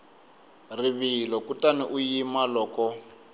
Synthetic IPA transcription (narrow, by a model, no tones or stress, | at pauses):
riβilɔkutaniʔujimalɔːkɔ